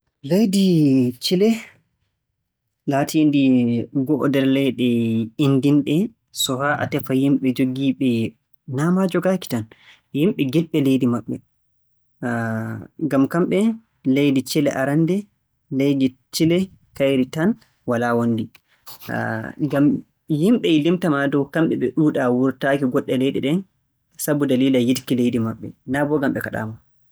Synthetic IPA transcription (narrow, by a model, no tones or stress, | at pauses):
lejdit͡ʃilɛ | latʰindiɡɔʔdɛɾlɛjɗɛindinɗɛ | sɔhaʔa̰tɛfajimɓɛd͡ʒoɡiɓɛ | namad͡ʒɔɡaːki̥tan | jimɓɛɡɛlɓɛlejdimaɓːɛ̰ | ɡamkamɓɛ | lejdit͡ʃɛlɛʔaɾandɛ | lejdit͡ʃilɛ | kajɾitan | walawondi | ɡam | jimɓɛilimtamadɔkamɓɛɓɛɗuːɗawuɾtaːkiɡɔɗːɛlejɗiɗɛn | sabudaliːlajidkilejdimaɓːɛ̰nabɔɡamɓɛkaɗa̰ːma